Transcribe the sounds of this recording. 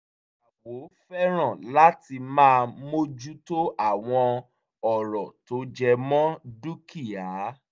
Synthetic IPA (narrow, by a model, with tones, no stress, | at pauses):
a˨wo˨˦fɛ˦ɾ̃ɔ̃˦˨la˦ti˧mãː˦˧mo˦d͡ʒu˦to˦a˦˨w̃ɔ̃˧ | ɔ˦˨ɾɔ˨to˨˦d͡ʒɛ˧mɔ̃˦du˦ki˦˨a˨˦